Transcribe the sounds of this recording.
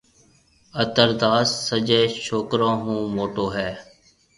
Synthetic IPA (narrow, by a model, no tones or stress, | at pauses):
ət̪əɾd̪aːsːəd͡ʒeːʃoːkɾãːɦũːmoːʈoːɦɛː